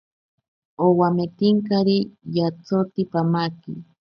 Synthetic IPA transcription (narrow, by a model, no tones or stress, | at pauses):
owamet̪iŋkaɾijat͡sot̪ipamakḭ